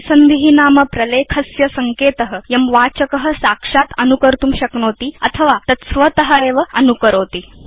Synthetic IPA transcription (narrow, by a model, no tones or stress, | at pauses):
sənd̪iɦinaːməpɾɐlekʰəsjɐsɐŋkeːt̪əɦəjɐmʋat͡ɕəkəɦəsakʂat̪ənukəɾt̪uːmɕɐkɳoːt̪iːɐt̪ʰəʋat̪ɐsʋət̪əɦəeʋəɐnukəɾoːt̪iː